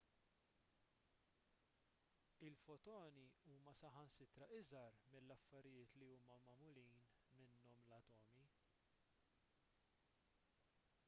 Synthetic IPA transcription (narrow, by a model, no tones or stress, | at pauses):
ɪlfɔt̪ɔːniuːmɐsɐħɐnsɪt̪ɾɐʔɪzɐɾmɪlːɐfːɐɾɪjɪːt̪liuːmɐmɐmʊliːn | mɪnːɔmlɐt̪ɔːmi